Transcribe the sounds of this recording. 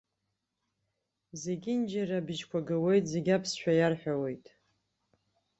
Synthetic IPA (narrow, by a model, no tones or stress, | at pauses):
ze̞ɡʲɪnd͡ʒaɾabɨʒkʷʰaɡawe̞jtʼze̞ɡʲapʰsʃᶣajarħʷᶣawe̞jtʼ